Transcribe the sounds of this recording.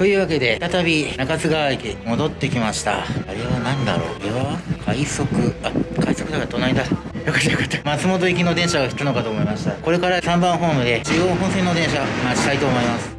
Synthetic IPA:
t̪o̞jɯ̟ːβake̞d̪e̞t̪at̪abʲinakat͡sɨɡaβaikʲimo̞d̪o̞t̪ːe̞kʲimaɕi̥t̪a̰aɾe̞βanãnd̪a̰ɾo̞̰ːɾeβakʰaiso̞kɯ̟akʰaiso̞kɯd̪akat̪o̞naid̪at̪ | jo̞kḁt̪ːajokḁt̪ːamat͡sɨmo̞t̪o̞ik̬ʲino̞d̪ẽ̞ɰ̃ɕaɡaçi̥t̪ano̞kat̪o̞ːmo̞imaɕi̥t̪ako̞ɾe̞kaɾasãmbãɰ̃ɦo̞ːmɯ̟d̪e̞t͡ɕiɡoːɦõ̞ɰ̃sẽ̞nːod̪ẽ̞ɰ̃ɕamaɕi̥t̪ait̪o̞ːmo̞imasɨ̥

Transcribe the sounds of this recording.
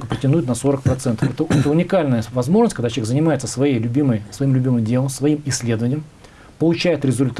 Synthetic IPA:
kəpɾʲɪtʲɪnujɪt̪nɐso̞ɾək̚pɾɐt̪sɛnt̪əfɛt̪əɛt̪əʊnʲɪkalʲnəjəvɐzmo̞ʐnəsʲkɐɡd̪at͡ɕ̪ʲjʲeɡzənʲɪmajɪt̪səsvɐjejlʲʊbʲiməjsvɐimlʲʉbʲimɨmdʲe̞lˠəmsvɐimɪsʲːlʲe̞d̪əvənʲɪjəm | pəlˠʊt͡ɕæjɪt̪ɾʲɪzʊlʲt̪

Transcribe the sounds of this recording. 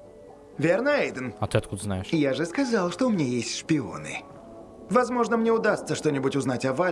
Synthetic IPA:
vʲernəɛjd̪ɨnɐt̪ɨɐt̪̚kud̪əznajɪʂjaʐɨskɐzalˠʂt̪oʊmʲɪnʲajesʲtʲʂpʲɪo̰nɨ̰ | vɐzmoʐnəmnʲɛʊd̪ast̪səʂt̪onʲɪbʊtʲʊznatʲɐva

